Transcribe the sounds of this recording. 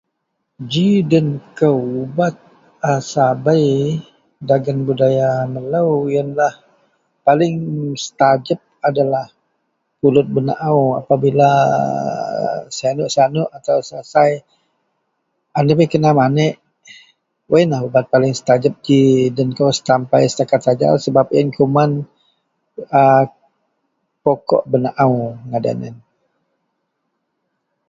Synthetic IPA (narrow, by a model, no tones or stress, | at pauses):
d͡ʒidənkəubat̪̚ | asabəj | daɡanbudajamələwjənlah | palɪŋsə̥t̪ad͡ʒəp̚adalah | pulʊt̪̚bəna̰ʔawa̰pabila | saanʊʔsanʊʔat̪awsasaj | anəwekənamanəʔ | wajnahbəbat̪̚palɪŋsə̥t̪ad͡ʒəp̚d͡ʒidənkowsə̥t̪ampajsə̥t̪akat̪̚sad͡ʒa̰səbapɛnkuman | ə | pɔkɔ̰ʔbənaʔawŋada̰nə̰n